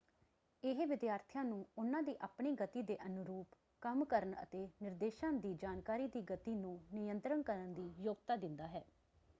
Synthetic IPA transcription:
ɪɦʋɪd̪jaːɾt̪ʰɪjãːnũːʊnãːd̪iːʔaːpɳiːɡət̪iːd̪eːʔənʊɾuːp | kəmkəɾənə̰t̪eːnɪɾd̪eːʃãːd̪iːd͡ʒaːnkaːɾiːd̪iːɡət̪iːnũːnɪjənt̪ɾənkəɾənd̪iːjoːɡt̪aːd̪ɪnd̪aːɦɛː

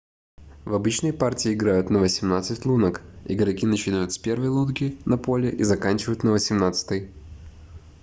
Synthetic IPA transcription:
vɐbɨt͡ɕnəjpartʲɪːɪɡɾajʊt̪nəvəsʲɪmnat̪sɨtʲlˠunəkɪ̰ɡəɾɐkʲinət͡ɕɪnajʊt̪sʲpʲe̞rvəjlˠut̪ɡʲɪnɐpo̞lʲɪʔizɐkanʲt͡ɕɪvəjʊt̪nəvəsʲɪmnat̪sɨ̥t̪ɨj

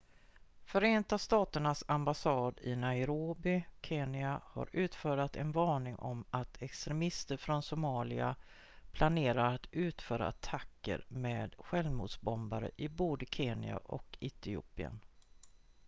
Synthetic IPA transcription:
fœɾeːnt̪ast̪ɑːt̪əɳasambasɑːd̪ɪnaɪɾoːbɪkʰeːnɪaha̰ɾʉ̟ːt̪fœːɾat̪ɛnvɑːɳɪŋʔɔ̰mat̪ʰɛkst̪ɾɛmɪst̪əɾfɾɔnsʊmɑːlɪa̰ | pʰlaneːɾaɾat̪ʉ̟ːt̪fœːɾa̰at̪ʰakːə̰ɾmeːd̪ɧɛlvmṵːd̪sbɔmbaɾə̰ʔɪboːd̪əkʰeːnɪ̰a̰ʔɔ̰kɪt̪ɪṵːpɪə̰n

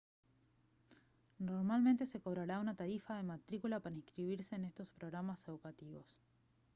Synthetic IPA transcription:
no̞ɾmalment̪e̞se̞ko̞β̞ɾaɾaunat̪aɾifaðe̞mat̪ɾikulapaɾaiŋskɾiβiɾseːne̞st̪o̞spɾoɣɾamase̞ðukat̪iβo̞s

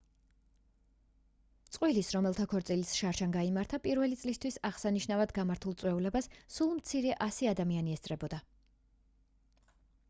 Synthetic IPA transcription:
t̪sʼqʼwilisɾɔmɛlˠt̪ʰakʰɔɾt̪sʼilisʃaɾʃanɡaimaɾt̪ʰapʼiɾvɛlit̪sʼlist̪ʰwisaʁsaniʃnavad̪ɡamaɾt̪ʰulˠt̪sʼwɛulɛbassulˠmt̪sʰiɾɛʔasiad̪amianiɛst̪sʼɾɛbɔd̪a

